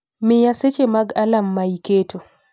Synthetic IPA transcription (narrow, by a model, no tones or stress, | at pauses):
mɪjaset͡ʃemaɡalamːaiketo